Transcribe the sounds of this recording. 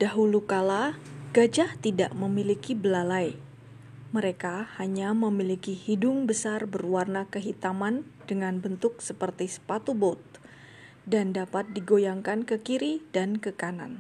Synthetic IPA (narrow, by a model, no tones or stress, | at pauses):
d̥aɦulukalaɡ̥ad͡ʒaht̪ida̰ʔməmilikibəlalaj | məɾekahaɲaməmilikihidʊŋbəsarbərwarnakəɦit̪amandəŋanbənt̪ʊk̚səpərt̪isə̥pat̪ubot̪̚ | dandapat̪̚diɡojaŋkankəkiɾidankəkana̰n